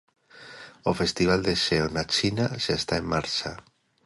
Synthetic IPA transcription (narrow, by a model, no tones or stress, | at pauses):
ofest̪iβ̞ald̪eʃeonat͡ʃinaʃaest̪aemːaɾt͡ʃa